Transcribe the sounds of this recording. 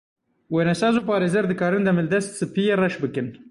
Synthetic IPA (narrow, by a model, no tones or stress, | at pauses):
weːnɛsɑːzuːpɑːɾeːzɛɾd̪ɨkɑːɾɨnd̪ɛmɨld̪ɛst̪sɨpijerɛʃbɨkɨn